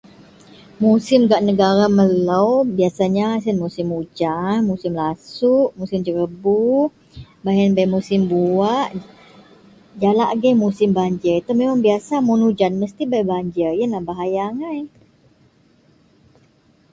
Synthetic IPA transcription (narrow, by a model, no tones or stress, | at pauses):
musɪmɡaʔnəɡaɾaməlawbiasaɲasənmusɪmud͡ʒanmusɪmlasuʔmusɪmd͡ʒəɾəbu | baɦɛnbajmusɪmbuaʔ | d͡ʒalaʔɡɛmusɪmbaɲd͡ʒəit̪amemaŋbiasamunud͡ʒanməst̪ibajbaɲd͡ʒəjənlahbaɦajaŋaj